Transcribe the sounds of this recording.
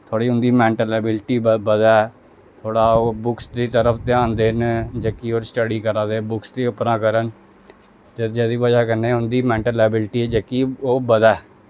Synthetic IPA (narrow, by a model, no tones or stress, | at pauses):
t̪ʰoːɽiːʊnd̪iːmɛ̃ːɳʈəlɛːbɪlʈiːbəd̪ɛː | t̪ʰoːɽaːoːbʊksd̪iːt̪əɾəpʰt̪eãːnd̪eːnd͡ʒəkːiːoːɾsʈəɽiːkəɾaːd̪eːbʊksd̪iːəpnãːkəɾən | d͡ʒed̪iːʋəd͡ʒaːkəɾnẽːʊnd̪iːmɛ̃ːɳʈəlɛːbɪlʈiːɛːd͡ʒəkːiːoːbəd̪ɛː